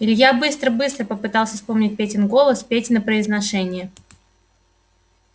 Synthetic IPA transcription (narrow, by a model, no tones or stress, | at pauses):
ɪlʲjabɨst̪ɾəbɨst̪ɾəpəpɨt̪ɑlˠsʲəfspo̞mnʲɪt̚ʲpʲetʲɪnɡo̞lˠəspʲetʲɪnəpɾəɪznɐʂɛnʲɪjə